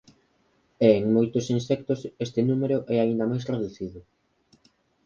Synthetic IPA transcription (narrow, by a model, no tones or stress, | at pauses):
eːŋmojt̪osinsɛk̚t̪osest̪enumeɾʊʔɛaind̪ɐmajsraðuθiðʊ